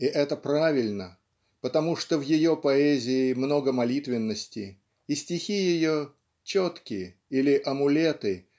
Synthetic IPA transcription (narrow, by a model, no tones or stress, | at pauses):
ɪʔɛt̪əpɾavʲɪlʲnə | pət̪ɐmuʂt̪ovjɪjo̞pɐɛzʲɪɪːmno̞ɡəmɐlʲit̪vʲɪnːəsʲtʲɪː | sʲtʲɪxʲijɪjo | t͡ɕot̪kʲɪjə | ilʲɪʔɐmʊlʲet̪ɨ